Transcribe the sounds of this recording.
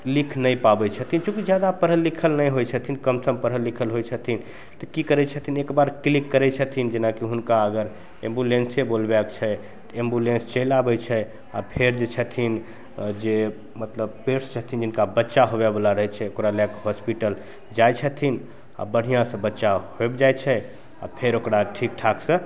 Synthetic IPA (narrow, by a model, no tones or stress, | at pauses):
likʰnəjpabɛt͡ʃʰət̪ʰint͡ʃũkid͡ʒjad̪apəɾɦəlːikʰəlnəjɦojt͡ʃʰət̪ʰinkəmsəmpəɾɦəlːikʰəlɦojt͡ʃʰət̪ʰin | t̪ɔkikəɾɛt͡ʃʰət̪ʰinekbaɾklikːəɾɛt͡ʃʰət̪ʰind͡ʒenakiɦunkaəɡəɾ | ẽmbulensebolbɛkt͡ʃʰɛ | t̪ɔembulẽnst͡ʃəlabɛt͡ʃʰɛ | a̰pʰeɾd͡ʒet͡ʃʰət̪ʰin | d͡ʒe | mət̪ləbpeɾst͡ʃʰət̪ʰind͡ʒɪnkabətːʃaɦoβebəlaɾəɦɛt͡ʃʰɛokɾalɛkɦɔspiʈəl | d͡ʒajt͡ʃʰət̪ʰin | a̰bəɽ̤ijãsə̃bətːʃaɦoebd͡ʒajt͡ʃʰɛ | a̰pʰeɾokɾaʈʰik̚ʈʰaksə̃